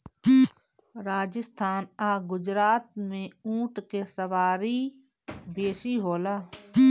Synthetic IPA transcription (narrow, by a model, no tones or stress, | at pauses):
ɾaːd͡ʒəst̪ʰaːnaːɡʊd͡ʒɾaːt̪mẽũːʈkesəʋaːɾi | beːsiɦoːlaː